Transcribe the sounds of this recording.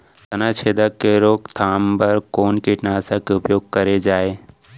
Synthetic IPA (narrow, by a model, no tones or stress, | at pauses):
t̪ɐnat͡ʃʰeːd̪əkːeɾoːkt̪ʰaːmbɐɾkoːnkiʈnaːsakeʊpjoːɡ̚kɐɾed͡ʒaːeː